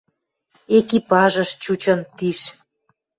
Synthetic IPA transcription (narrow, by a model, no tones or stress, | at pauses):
ekipɑʒə̆ʃt͡ɕut͡ɕə̆nt̪iʃ